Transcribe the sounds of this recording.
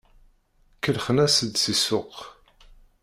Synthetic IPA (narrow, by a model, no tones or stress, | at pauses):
kəlχənæsəd̪sisʊq